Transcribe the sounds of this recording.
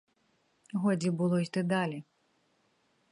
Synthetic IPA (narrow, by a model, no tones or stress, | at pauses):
ɣɔd͡zʲibɨlˠɔzʲd̪ɨd̪alʲi